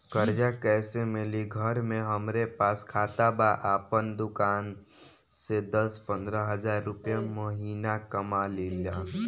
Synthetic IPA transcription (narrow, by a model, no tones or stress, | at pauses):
kəɾd͡ʒakɛːsemɪliɡʱəɾmẽɦəmɾepaːskʰaːt̪abaʔaːpənd̪ʊkaːn | sed̪əspə̃nd̪ɾəɦəzaːɾːʊpjaməɦiːnakəmalila